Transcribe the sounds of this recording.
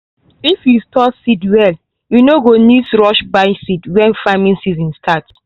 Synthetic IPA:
ifjustɔsidwɛl | junoɡonisɹɔʃbaɪsidwɛ̃nfamĩnsizɔ̃nstʰat

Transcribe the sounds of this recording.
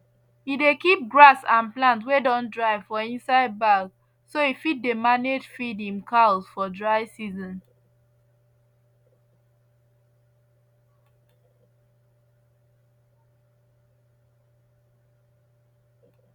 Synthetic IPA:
idekip̚ɡɹasãnplãntwedɔ̃ndɹaɪvfɔĩnsaɪd̚baɡ | soifid̚ːemaned͡ʒfidĩmkʰasfɔdɹaɪsizɔ̃n

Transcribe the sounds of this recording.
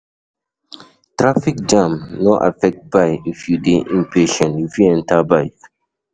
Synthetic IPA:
tɹafik̚d͡ʒãmnoʔa̰fɛk̚t̚bajifjudeʔĩmpʰeʃɔ̃nifjuɛ̃ntʰabaɪ

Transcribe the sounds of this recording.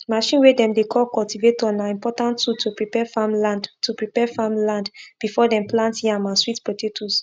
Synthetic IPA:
maʃĩnwedɛ̃mdekʰɔlkɔltivetɔ̃naĩmpɔtãntutʰupɹipɛfamlãndtʰupɹipɛfamlãndb̥ifɔdɛ̃mplãnthiãnmaswitpɹotetʰus

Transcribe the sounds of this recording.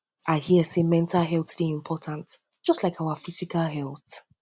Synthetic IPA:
ʔaɪhiəsemɛ̃ntʰalˠɦɛlˠθsd̥eĩmpʰɔtʰãnt | d̥ʒ̥ʌstlaɪkʰaʊəfizikalɦɛlˠθ

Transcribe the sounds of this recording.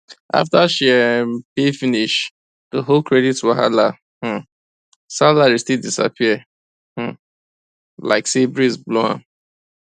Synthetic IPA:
ʔa̰ftaʃiɛpifiniʃ | ðəɦolkʰɹɛditwɔɦa̰la | h̩ | salaɹistildisa̰pʰiə | h̩ | la̰ɪksebɹizbloã̰n

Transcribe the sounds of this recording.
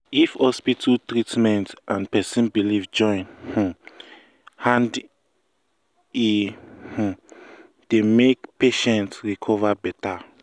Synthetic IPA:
ifhɔspitʰltɹitmɛ̃ntʔãnpɛsĩnbilivd͡ʒɔ̃j̃nh̩ | hãnd | ih̩ | d̥emekpeʃɛ̃ntsɹikʰɔvabɛta

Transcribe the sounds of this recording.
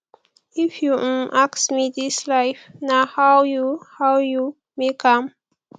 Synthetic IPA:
ifjuʔaksmidislaɪfnahawjuhawju | mekʰãm

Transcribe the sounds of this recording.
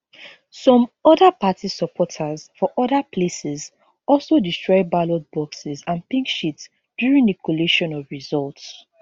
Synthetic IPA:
sɔ̃mɔdapatisɔpʰɔtʰazfɔʔɔdapʰlesɛz | ɔlˠsodistɹɔɪbalod̚bɔksizãnpĩŋkʃits | d̥juɹĩŋdəkʰɔleʃɔ̃nɔvɹizɔlts

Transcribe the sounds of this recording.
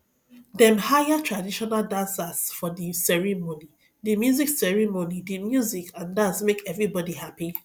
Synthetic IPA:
dɛ̃mhajatʰɹadiʃɔnaldãnsasfɔdisɛɹimoni | dimjuziksɛɹimonidimjuzikʰãndãnsmekɛvɹibɔdihapi

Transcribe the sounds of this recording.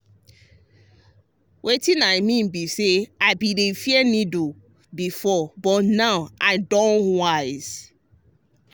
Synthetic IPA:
wʔetĩnaɪmĩnbiseaɪbiɾefiɛnido | bifɔbɔtnaʊʔaɪdɔ̃nwaɪz̥

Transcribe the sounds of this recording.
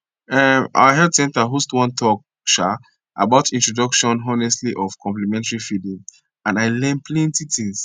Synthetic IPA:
ɛmʔa̰waɦɛldsɛ̃ntaɦustwɔ̃ntʰɔk̚ | ʃa | a̰baʊtĩntɹɔdɔkʃɔ̃nɔnɛstliʔɔv̥kʰɔ̃mplɛmɛ̃ntaɹifidĩŋ | ãnaɪlɛ̃npʰlɛ̃ntitĩŋs

